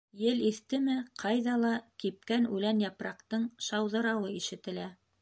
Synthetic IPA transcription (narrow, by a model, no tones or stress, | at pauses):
jɘliθt̪ɘmɘqʰɑjðɑlˠɑkip̚kænʉlænjɑpɾɑqt̪ɤɴʃɑwðɤ̆ɾɑwɤiʃɘ̆t̪ɘ̆læ